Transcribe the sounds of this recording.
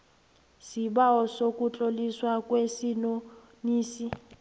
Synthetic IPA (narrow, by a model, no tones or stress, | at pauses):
sibaɔsokʼut͡ɬʼoliswakʼwesino | niːsi